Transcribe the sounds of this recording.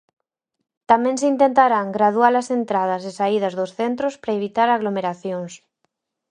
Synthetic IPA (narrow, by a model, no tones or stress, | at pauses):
t̪amɛ̃ŋsɪint̪ent̪aɾaŋɡɾaðwalɐsent̪ɾað̞ɐsɪsaið̞ɐzðʊsθent̪ɾospɾaeβit̪aɾaɣlomeɾaθjoŋs